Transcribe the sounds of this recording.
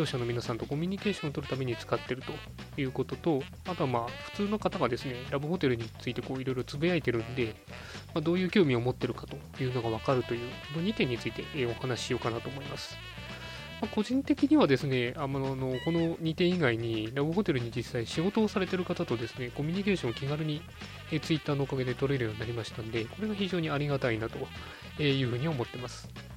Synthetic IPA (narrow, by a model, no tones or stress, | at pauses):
o̞ːɕano̞mʲinasãnt̪o̞ko̞mʲiɲ̟ike̞ːɕõ̞ot̪oɾɯ̟t̪ame̞ɲ̟it͡sɨ̥kat̪ːe̞ɾɯ̟t̪o̞ | jɯ̟ːko̞t̪o̞t̪o̞ | at̪o̞amaːɸɯ̟̥t͡sɨːno̞kat̪aɡad̪e̞sɨne̞ɾabɯ̟ho̞t̪e̞ɾɯ̟ɲ̟it͡sɨit̪e̞ko̞ːiɾo̞ijɾo̞t͡sɨbijait̪e̞ɾɯ̟̃nd̪e̞ | mad̪oːjɯ̟ːkʲo̞ːmʲio̞mo̞t̪ːe̞ɾɯ̟kḁt̪o̞ | jɯ̟ːno̞ɡaβakaɾɯ̟t̪o̞jɯ̟ːkono̞ɲ̟it̪ẽ̞ɲ̟ːit͡sɨit̪e̞̰ʔo̞hanaɕi̥ɕijo̞ːkanat̪o̞ːmo̞imasɨ̥ | mako̞ʑĩnt̪e̞kʲiɲ̟iβad̪e̞sɨne̞amno̞ko̞no̞ɲ̟it̪ẽ̞iɡaiɲ̟iɾabɯ̟ɦo̞t̪e̞ɾɯ̟ɲ̟id͡ʑisaiɕiɡo̞t̪o̞ːsaɾe̞t̪e̞ɾɯ̟kat̪at̪o̞d̪e̞sɨne̞ko̞mʲiɲ̟ike̞ːɕõ̞ŋkʲiɡaɾɯ̟ɲ̟i | eːt͡sɨit̪ːaːno̞ːkaɡe̞d̪e̞t̪o̞ɾeːɾɯjo̞ɲʲinaɾʲimaɕi̥t̪ãnod̪e̞ko̞ɾe̞ɡaçiʑo̞ːɲ̟iaɾʲiɡat̪ainat̪o̞ | eːjɯ̟ːɸɯ̟ːɲ̟iomo̞t̪ːe̞masɨ̥